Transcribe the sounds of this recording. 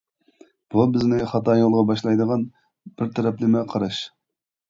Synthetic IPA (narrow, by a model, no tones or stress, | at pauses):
b̥ubɪznɪχɑt̪ɑːjolˠʁɑbɑʃlˠɑjd̪əʁɑn | b̥ɪɾt̪ʰɛɾɛplɪmɪqʰɑɾɑʃ